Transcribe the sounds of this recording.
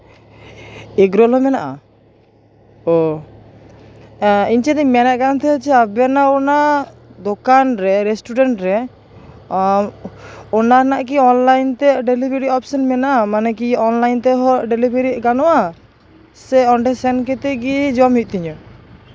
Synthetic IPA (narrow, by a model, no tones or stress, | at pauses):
ɛɡɾɔlɦɔmɛnaʔa̰ | ɔ | iɲt͡ʃɛd̪ɛmɛnɛʔkant̪ʰɛt͡ʃɛabɛnaɔnad̪ɔkanɾɛɾɛsʈuɖɛɳʈɾɛ | ɔnanaʔk̬iɔnlajnt̪ɛʔɖelibeɾiɔpsɔnmɛnaʔamanɛk̬iɔnlajnt̪ɛɦɔɖelibeɾikanɔʔa | sɛɔɳɖɛsɛnkɛt̪ɛɡid͡ʒɔmɦit̪̚ˀt̪iɲɔ